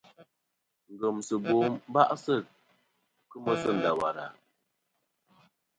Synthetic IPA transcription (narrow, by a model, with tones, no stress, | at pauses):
ŋ̩˨ɡə˨msə˨bo˨˦m˦ba̰˦ʔsə˦˨ | kɨ˦mə˦sə˦˨n̩˨da˨wa˨ɾa˨